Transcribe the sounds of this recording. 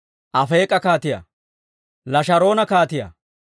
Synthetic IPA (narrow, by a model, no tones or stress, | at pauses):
ʔɐfeːkʼːɐkaːt̪ɪjɐ̰ | lɐʃɐɾo̞ːnɐkaːt̪ɪjɐ̰